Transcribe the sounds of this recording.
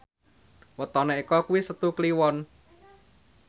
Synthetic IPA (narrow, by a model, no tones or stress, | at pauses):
wət̪ɔneikɔkuwisət̪ukliwɔn